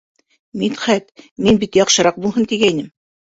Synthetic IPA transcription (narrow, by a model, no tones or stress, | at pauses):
mit̪χæt̪minbit̪jɑqʃɤ̆ɾɑq̚bulˠɦɤnt̪iɡæjnɘm